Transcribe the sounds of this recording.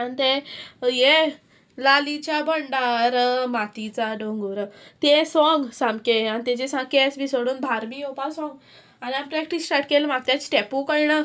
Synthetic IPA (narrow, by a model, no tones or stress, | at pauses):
anit̪eje | lalit͡ɕjabəɳɖaɾmat̪it͡saɖoŋɡuɾət̪esɔŋɡsãmkeanit̪ẽd͡ʑesãkesbisoɽuːnbʱaɾmiopasɔ̃ŋɡ | aniampɾɛk̚ʈisːʈaɾʈkelmaɡ̚t̪jãt͡ɕi̥ʈɛpukəjɳə